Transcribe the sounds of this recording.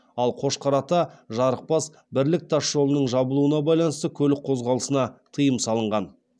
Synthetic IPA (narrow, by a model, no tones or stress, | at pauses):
ɑlˠqʰo̞ʃqʰɑɾɑt̪ɑʒɑɾəq̚pɑs | bɪɾlɪk̚t̪ʰɑʃʒo̞lˠənəɴʒɑbəlˠuənɑbɑjlˠɑnəst̪əkʲʰɵlɪk̚qʰo̞zʁɑlˠəsənɑt̪ʰəjəmsɑlˠəɴʁɑn